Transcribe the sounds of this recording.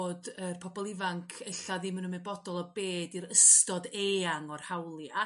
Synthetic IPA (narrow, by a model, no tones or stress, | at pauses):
dərpʰɔbɔlˠɪvaŋkʰɛɬaðɪmənəmɨbɔdɔlˠɔbeːdiɾəstɔdeːaŋɔrhawlˠia